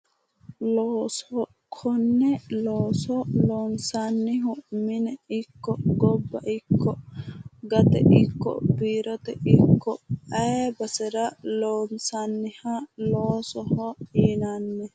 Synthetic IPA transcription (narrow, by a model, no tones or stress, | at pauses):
loːsɔ | kʰɔnːɛloːsɔloːnsanːɪɦʊmɪnɛɪkːɔɡɔbːɐʔɪkːɔ | ɡɐt̪ɛ̰ʔɪkːɔ̰biːɾɔt̪ɛʔɪkʰːɔɐɛbɐsɛɾɐloːnsanːɪhɐloːsɔhɔiːnanːɛ